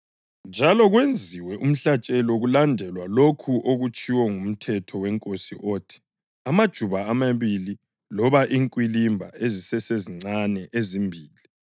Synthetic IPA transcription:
nd͡ʒʱalɔɣwend͡zʱiwɛʔum̩ɬat͡ʃʼɛlɔɣulandʱɛlwalokʰuʔoɣut͡ʃʼʰiwɔŋum̩tʰɛtʰɔwɛŋkʼosiʔoːtʰi̥ | amad̥ʒ̥ʱuβaːmaβili | lɔβaʔiŋkʼwilimbʱa̰ezisɛseziŋ͡ǀanɛʔezimbʱiːli

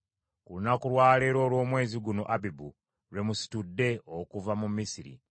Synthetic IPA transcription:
kulunakuɾwaːle̞ɾo̞ːlwo̞ːmwe̞ːziɡuno̞̰ʔabibu | ɾwe̞musi̥tudːe̞okuvamumːisiɾḭ

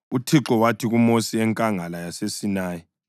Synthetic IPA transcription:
utʰiǁɔwatʰiɣumosiɛŋkʼaŋalajasesinaːjɛ

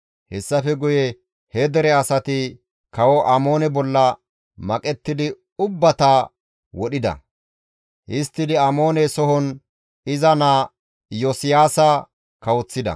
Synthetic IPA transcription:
hɛsːɐfɛɡʊjɛ | hɛd̪ɛɾɛɐsɐt̪ɪ | kɐwɔʔɐmo̞ːnɛbɔlːɐ | mɐkʼɛt̪ːɪd̪ɪ | ʊbːɐt̪ɐ | wɔɗɪd̪ɐ̰ | ʔɪst̪ːɪd̪ɪɐmo̞ːnɛsɔɦɔn | ɪzɐnaː | josɪjaːsɐ | kɐwɔt͡sːɪd̪ɐ̰

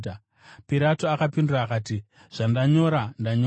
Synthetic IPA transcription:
piɾatoakapinduraːkaːti | ʐ̥andaɲo̞ɾandaɲo

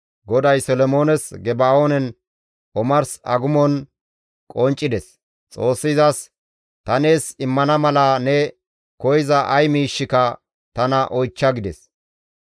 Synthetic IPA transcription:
ɡɔd̪ɐjsɔlɔmo̞ːnɛsɡɛbaːoːnɛn | ɔmɐɾsɐ̰ɡʊmɔn | kʼɔnt͡ʃʼːɪd̪ɛs | t͡sʼo̞ːsːɪzɐs | t̪ɐne̞ːsɪmːɐnɐmɐlɐnɛ | kɔjɪzɐʔɐjmiːʃːɪkɐ | t̪ɐnɐʔɔjt͡ʃːɐɡɪd̪ɛs

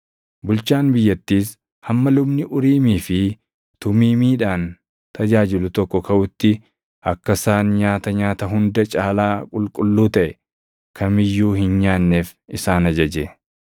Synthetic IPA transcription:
bʊlt͡ʃaːnbɪjːɐt̪ːiːs | hɐmːɐlʊbnɪʔʊɾiːmiːfɪ | t̪ʊmiːmiːᶑaːn | t̪ʰɐd͡ʒaːd͡ʒɪlʊt̪ɔkːɔkɐʔʊt̪ːɪ | ʔɐkːɐsaːnɲaːt̪ɐɲaːt̪ɐɦʊnd̪ɐt͡ʃʼaːlaːkʼʊlkʼʊlːuːt̪ɐʔɛ | kʰɐmɪjːuːhɪnɲaːnːeːfɪsaːnɐd͡ʒɐd͡ʒeː

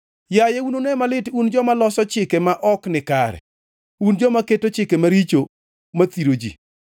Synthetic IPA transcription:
jajeunonemalɪtund͡ʒɔmalɔsɔt͡ʃɪkɛmaʔɔknɪkaɾɛ̰ | und͡ʒɔmaketot͡ʃɪkemaɾit͡ʃo | mat̪iɾod͡ʒḭ

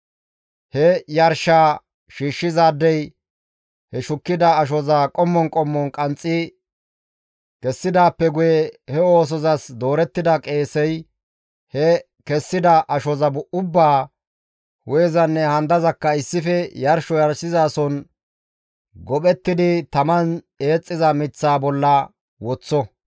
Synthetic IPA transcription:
hɛjɐɾʃaː | ʃiːʃːɪzaːd̪ːɛj | hɛʃʊkːɪd̪ɐːʃ̬ɔzakʼɔmːɔnkʼɔmːɔnkʼɐnt͡sʼːɪ | kɛsːɪd̪aːpːɛɡʊjɛhɛo̞ːs̬ɔzɐsd̪o̞ːɾɛt̪ːɪd̪ɐkʼe̞ːsɛj | hɛ | kɛsːɪd̪ɐʔɐʃɔzɐbʊʔʊbːaː | wɔjzɐnːɛhɐnd̪ɐzɐkːɐɪsːɪfɛjɐɾʃɔjɐɾsɪzaːsɔn | ɡɔɓɛt̪ːɪd̪ɪt̪ɐmɐn | e̞ːt͡sʼːɪzɐmɪt͡sːaːbɔlːɐ | wɔt͡sːɔ

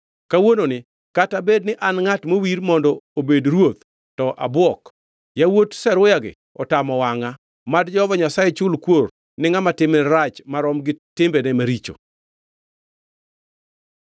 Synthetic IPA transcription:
kawononɪ | katabed̚nɪʔanŋatmowiɾmɔndɔobedɾwot̪ | tɔʔa̰bwɔk | jawotsɛɾʊjaɡɪ̰ | ɔtamɔwaŋa | madd͡ʒɔvɔɲasajɛt͡ʃʊlkwor | nɪŋamatɪmnɛɾat͡ʃmaɾɔmɡɪtɪmbɛnɛmaɾit͡ʃo̰

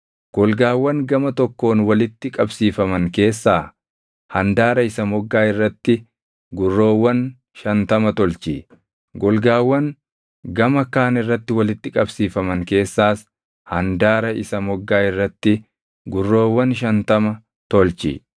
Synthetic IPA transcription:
ɡ̥ɔlɡaːwːɐŋɡɐmɐt̪ɔkːo̞ːnwɐlɪt̪ːɪkʼɐbsiːfɐmɐŋke̞ːsːaː | hɐnd̪aːɾɐɪsɐmɔɡːaːɪrːɐt̪ːɪ | ɡʊrːo̞ːwːɐn | ʃɐnt̪ɐmɐt̪ɔlt͡ʃi | ɡɔlɡaːwːɐŋ | ɡɐmɐkaːnɪrːɐt̪ːɪwɐlɪt̪ːɪkʼɐbsiːfɐmɐŋke̞ːsːaːs | hɐnd̪aːɾɐɪsɐmɔɡːaːɪrːɐt̪ːɪ | ɡʊrːo̞ːwːɐnʃɐnt̪ɐmɐ | t̪ɔlt͡ʃḭ

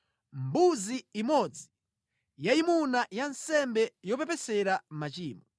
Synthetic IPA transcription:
mbuziimɔd͡zi | jaimunajansɛmbɛjɔp̬ɛpɛsɛɾam̩mat͡ʃiːmɔ

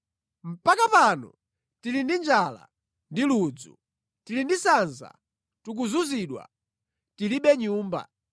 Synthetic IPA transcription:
m̩pakapanɔ̰ | tilindind͡ʒala̰ | ndilud͡zṵ | tilindisanza̰ | tuk̬uzuziɗwa̰ | tiliɓɛɲuːmba̰

